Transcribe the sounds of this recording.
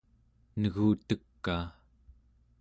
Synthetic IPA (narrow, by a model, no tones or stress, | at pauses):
nəɣuːt̪əkːaː